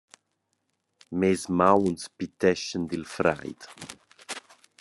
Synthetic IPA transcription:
mezmawnspit̪ɛʃənd̪ilfɾa̰jd̪

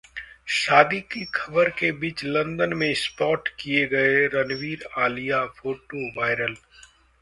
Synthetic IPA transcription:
ʃaːd̪ikikʰɐbəɾkebiːt͡ʃlɐ̃nd̪ənmẽspɔːɾʈkijeɡɐeɾɐnʋiːɾaːlijapʰoːʈoʋaːɪɾəl

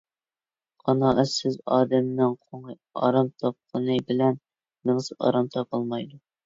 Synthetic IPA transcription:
qʰɑnɑʔɛsɪzɑːd̪ɛmnɨŋqʰoŋɨ | ɑ̰ɾɑmt̪ʰɑp̚qʰənɨbɪlɛnː | ɨŋsɨɑ̰ɾɑmt̪ʰɑpɑlˠmɑjd̪u

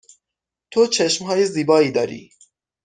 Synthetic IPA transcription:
t̪ʰot͡ʃʰeʃmɦɒːjeziːbɒːiːd̪ɒːɾḭː

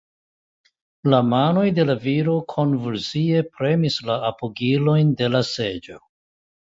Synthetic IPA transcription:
lamano̞jde̞laviɾo̞kʰo̞nvulsie̞pɾe̞mislaːpoɡilo̞jnde̞lase̞d͡ʒo̞

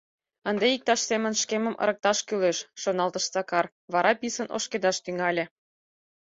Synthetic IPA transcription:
ənd̪eik̚t̪ɑʃsemə̆nʃkeməmʔə̰ɾə̆k̚t̪ɑʃkyleʃːonɑlt̪əʃt͡sɑkɑr | βɑɾʔɑpisəno̰ʃked̪ɑʃt̪yŋɑlʲe

